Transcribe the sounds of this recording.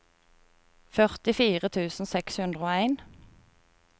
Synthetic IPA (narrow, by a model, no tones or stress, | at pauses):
fœʁt̪ɪfiːʁət̪ʰʉːsn̩sɛkshʉnd̪ʁəoːæɪn